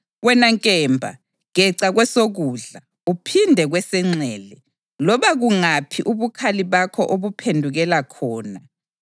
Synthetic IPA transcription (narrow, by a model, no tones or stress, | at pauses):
wɛnaŋkʼɛmbʱa̰ | ŋɣɛǀaɣwɛsoɣuːɮa | upʰindʱɛɣwɛsɛŋ͡ǀɛːlɛ | lɔβaɣuŋapʰiʔuβukʰaliβakʰɔʔoβupʰendʱuɣɛlakʰɔːna